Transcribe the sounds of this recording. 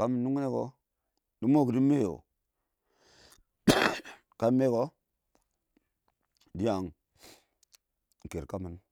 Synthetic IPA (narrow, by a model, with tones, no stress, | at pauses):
ka˦mə˨nː˦u˦ŋ˦ne˦ko˨ | di˦mo˦˨kdi˦me˦jo̰˨ | ka˨˦me˦ko˦ | di˦a˨ŋ˨ | ke˨ɾka˦mi˨n